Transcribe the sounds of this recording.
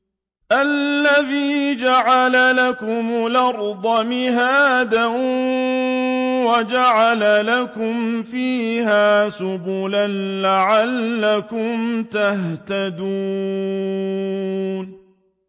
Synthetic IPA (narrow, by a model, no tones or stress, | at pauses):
ʔalːaðiːd͡ʒaʕalalakʊmʊlɑɾˤd̪ˤɑmɪɦaːd̪aʔ | wad͡ʒaʕalalakʊmfiːhaːsʊbuːlanlaʕalːakʊmt̪aht̪ad̪uː | n